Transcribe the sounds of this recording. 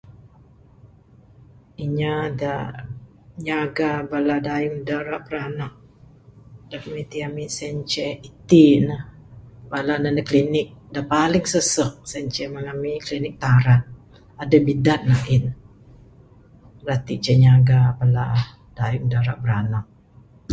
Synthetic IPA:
iɲada | ɲaɡabaladajʊŋdaɾaʔbəɾanaʔ̚ | d̥akmit̪iamisɛɲt͡ʃɛit̪inə | balanadaklinɪk̚dapalɪŋsəsəʔ̚sɛɲt͡ʃɛməŋamiklinɪk̚t̪aɾat̪̚ | adabidat̪̚naʔɪn | ɾat̪it͡ʃɛɲaɡabala | d̥ajʊŋdaɾaʔbəɾanak̚

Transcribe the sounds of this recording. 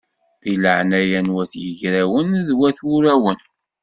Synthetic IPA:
ðiləʕnæjænwæθjəʝɾæwənðwæθuɾæwən

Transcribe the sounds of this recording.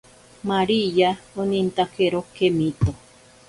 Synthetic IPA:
maɾijaonĩnt̪akeɾokemĩt̪o

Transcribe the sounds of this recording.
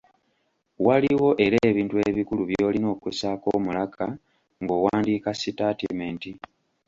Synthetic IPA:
waliwo̞ʔe̞ɾeːβiːntue̞βikuluβjo̞ːlino̞ːkwesako̞ːmulakʰa | ŋɡo̞ːwaːndiːkasitaːtḛmeːnti

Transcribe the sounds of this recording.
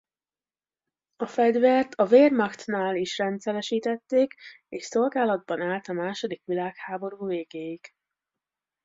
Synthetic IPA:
ɒfɛɟ̪vɛrt̪ʰɒveːrmɒxt̪naːliʃrɛnt̪sɛlɛʃiːt̪ɛt̪ːeːk | eːʃso̞lɡaːlɒd̪̚bɒnaːlt̪ɒmaːʃo̞d̪ikʋilaːkhaːbo̞ɾuːveːɡeːjik

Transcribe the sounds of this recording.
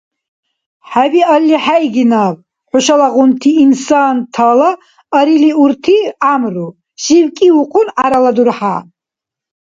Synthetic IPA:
ħabialːiħaiɡinaːb | ħʊʃalaʁʊnt̪ʰiːnsant̪ʰala | ɐɾiliuɾt̪ʰiamru | ʃiwkʼiuqʰʼʊnʕaɾalad̪uɾħa̰

